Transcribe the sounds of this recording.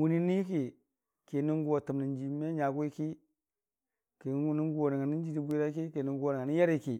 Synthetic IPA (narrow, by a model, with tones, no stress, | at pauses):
wu˨ni˦ni˦ki˨ | ki˨ni˦ŋ˦ɡu˦wa˨tu˨mni˨nd͡ʒi˨˦m˦e˦ɲa˨ɡu˦i˦ki˦ | ki˨˦ni˦ŋ˦ɡu˦wo˨ni˨ŋa˨ni˦n˦d͡ʒi˦di˦bu˦i˦ɾa˦ki˦ki˨ni˨ŋ˦ɡu˦o˨na˨ŋa˨ni˦ja˦ɾi˦ki˨